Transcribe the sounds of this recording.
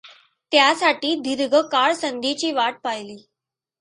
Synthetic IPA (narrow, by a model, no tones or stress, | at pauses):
t̪jasaʈiːd̪ʱiɾɡʱəkaɭsənd̪it͡ɕiːʋaʈ̚pajliː